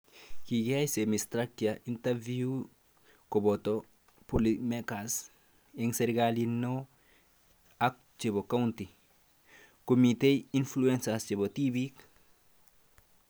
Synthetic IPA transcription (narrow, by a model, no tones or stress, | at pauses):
kiɡajsemist̪ɾakjaʔint̪eɾviu | kobot̪o | polimekas | eŋseɾɡalino | ak | t͡ʃebokawnt̪i | komit̪einfluensast͡ʃebot̪ibik